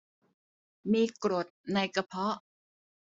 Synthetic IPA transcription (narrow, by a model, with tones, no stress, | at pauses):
miː˧kɾo˨˩t̪̚na˧jka˧pʰɔ˦˥ʔ